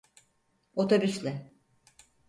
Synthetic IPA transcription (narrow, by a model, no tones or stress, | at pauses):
ot̪ʰobyslʲɛ